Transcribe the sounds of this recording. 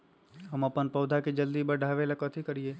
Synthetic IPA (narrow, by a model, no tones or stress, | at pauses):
ɦəməpənpɐwd̪ʱakid͡ʒəld̪ibəɖʱaːʋelakət̪ʰikəɾieː